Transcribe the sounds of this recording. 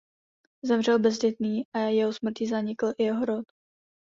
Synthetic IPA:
zɛmr̝ɛlbɛzɟɛt̪niːʔajɛɦosmr̩cɪzaɲɪkl̩ʔɪjɛɦoɾot̪

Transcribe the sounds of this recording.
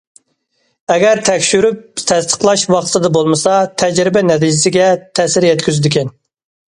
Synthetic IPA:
ɛɡʲɛɾt̪ʰɛkʲʃyɾyp̚t̪ʰɛst̪ə̥qlˠɑʃwɑχt̪sɨd̪ɑbolˠmɨsɑt̪ʰɛd͡ʒɾɪbɛnɛt̪ʰid͡ʒɪsɪɡʲɛt̪ʰɛsɪɾjɛt̪kʲyzyd̪ɪkʲɛn

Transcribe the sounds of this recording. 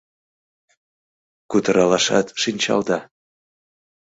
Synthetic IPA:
kut̪əɾɑlɑʃɑ̰t̪ʃinʲt͡ɕɑ̰ld̪ɑ

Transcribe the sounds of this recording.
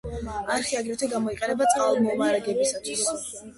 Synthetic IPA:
aɾχiaɡɾɛt̪ʰwiɡamɔiqʼɛnɛbat̪sʼqʼalˠmɔumaɾaɡɛbisat̪ʰwis

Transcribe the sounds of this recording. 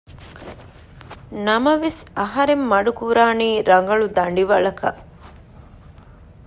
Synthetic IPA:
nɐmɐʋesɐɦɐɾemːɐɖukuɾaːniːɾɐŋɡɐɭud̪ɐɳɖiʋɐɭɐkɐ̰ʔ

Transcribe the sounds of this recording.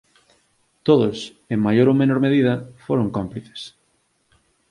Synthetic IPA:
t̪oðʊs | eŋmajoɾomenoɾmeðiðɐfoɾoŋkompliθe̥s

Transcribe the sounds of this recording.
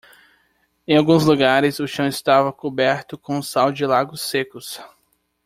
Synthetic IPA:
ẽj̃awɡũzluɡaɾɪzʊʃɐ̃w̃ɪst̪avɐkobɛɾt̪ʊkõʊ̃sawd͡ʒɪlaɡʊsekʊs

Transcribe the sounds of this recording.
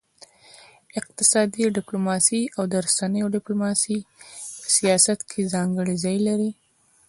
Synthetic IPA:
ɪq̚t̪ɪsɑd̪iɖɪplomɑsiawd̪əɾasanəjoɖɪplomɑsiəsijɑsat̪kʰezɑŋɡəɽizɑjlaɾi

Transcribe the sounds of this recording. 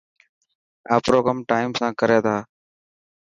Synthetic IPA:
aːpɾoːɡəmʈaːimsãːkəɾeːt̪ʰaː

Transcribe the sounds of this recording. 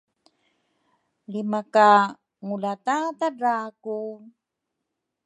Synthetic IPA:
limaka | ŋulat̪at̪adaku

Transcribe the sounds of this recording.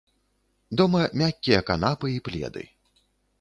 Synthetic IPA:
d̪ɔmɐmʲakʲːijɐkan̪apɨiplʲɛ̰d̪ɨ̰

